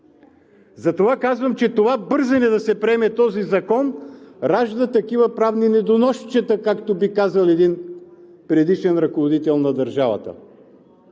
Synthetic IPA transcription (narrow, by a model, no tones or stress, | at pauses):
zɐt̪ovakazvəmt͡ʃɛt̪ovabɤɾzɐnɛd̪ɐsɛpɾɛmɛt̪ɔzizɐkɔnɾaʒd̪ət̪ɐkivəpɾavninɛd̪onɔʃt͡ʃɛt̪əkakt̪obikazəlˠɛd̪in | pɾɛd̪iʃɛnɾɐkovod̪it̪ɛlˠnɐd̪ɐɾʒavɐ̰t̪ə̰